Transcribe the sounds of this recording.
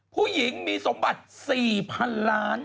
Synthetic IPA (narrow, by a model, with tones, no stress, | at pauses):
pʰuː˥˩ji˩˦ŋmiː˧so˩˦mba˨˩t̪̚siː˨˩pʰa˧nlaː˦˥n